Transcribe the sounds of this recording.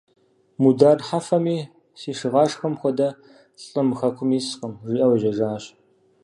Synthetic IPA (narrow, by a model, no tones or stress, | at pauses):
mudaːrħafɐmiː | siːʂɨʁɑːʂxɐmxʷɔdɐ | ɬʼɬʼɨmɨxɐkʷʰʊmiːsqəmʒiːʔɐwɐʒɐʒaːɕ